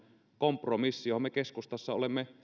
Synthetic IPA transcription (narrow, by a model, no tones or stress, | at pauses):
kompromisːijohomekeskust̪ɑsːɑolemːe